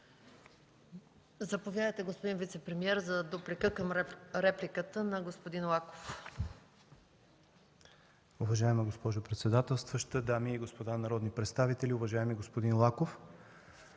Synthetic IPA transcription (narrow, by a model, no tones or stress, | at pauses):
zɐpovʲjad̪əjt̪ɛɡospod̪invit̪sɛpɾɛmiɛɾzɐd̪oplikəkəmɾɛplʲikət̪ənɐɡospod̪inlˠako̥f | ʊvɐʒaɛməɡospɔʒopɾɛt̪sɛd̪at̪ɛlˠst̪vəʃt̪əd̪amiiɡospod̪anɐɾɔd̪nipɾɛt̪st̪avit̪ɛliʊvɐʒaɛmiɡospod̪inlˠakof